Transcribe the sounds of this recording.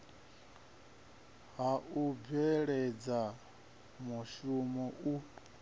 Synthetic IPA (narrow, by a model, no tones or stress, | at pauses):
ɦaʔubɛɺɛd͡za | muʃumɔʔu